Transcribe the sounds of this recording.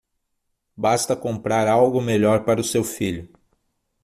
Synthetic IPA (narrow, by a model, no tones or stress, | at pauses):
bast̪ɐkõmpɾaɾawɡʊmeʎɔɾpaɾɐʊsewfiʎʊ